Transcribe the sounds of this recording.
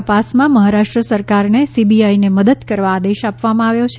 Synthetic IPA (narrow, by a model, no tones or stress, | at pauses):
əpasmãməɦaɾaʂʈɾəsəɾkaɾnesibiaineməd̪əd̪kəɾʋaːd̪eʃapʋamãaʋjot͡ʃʰe